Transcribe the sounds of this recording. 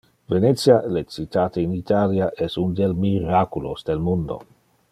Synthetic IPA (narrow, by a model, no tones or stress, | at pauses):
venet̪sjalet͡sit̪aːt̪einit̪ʰaljaʔɛsund̪elmiɾakulosd̪elmund̪o̰